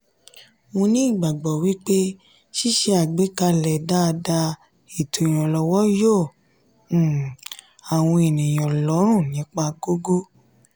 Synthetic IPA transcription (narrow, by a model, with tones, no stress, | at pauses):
mõ˧nĩ˦i˦˨ɡ͡ba˨ɡ͡bɔ˨wi˦k͡pe˦ | ʃi˦ʃe˧a˨ɡ͡be˨˦ka˧lɛ˨da˦˧da˧ | e˨to˨j̃ɔ̃˨lɔ˨wɔ˦jõ˦˨˦ | a˨w̃ɔ̃˧e˨nĩ˨j̃ɔ̃˨lɔ˨˦ɾ̃ũ˦˨nĩ˨˦k͡pa˧ɡo˦ɡo˦